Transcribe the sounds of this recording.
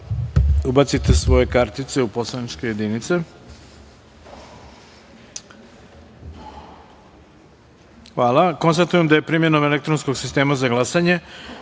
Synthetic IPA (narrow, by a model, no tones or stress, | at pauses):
ubat̪sit̪e̞sʋo̞je̞kaɾt̪it̪seupo̞slˠanit͡ʃke̞je̞d̪init̪se̞ | xʋaːlako̞nst̪at̪uje̞md̪aje̞pɾiːmje̞nomelek̚t̪ɾonsko̞ɡsist̪e̞ːmazaɡlˠasaɲe̞